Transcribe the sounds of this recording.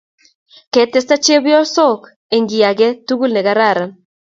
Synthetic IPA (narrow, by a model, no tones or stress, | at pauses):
ket̪est̪at͡ʃieβiolsok | eŋɡiaɡet̪uɡulneɣaɾaɾa